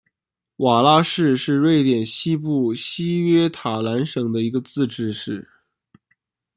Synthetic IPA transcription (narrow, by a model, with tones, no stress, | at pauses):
wa˨˩la˥ʂɻ̩˥˧ʂɻ̩˥˧we˥˩ɪt̪jɛ˨˩nɕi˥pu˥˩ɕi˥ɥɛ˥t̪ʰa˨˩la˧˥nʂɤ˨˩ŋd̪ə˦i˧˥ɡə˧t͡sɹ̩˥˧ʈ͡ʂɻ̩˥˧ʂɻ̩˥˩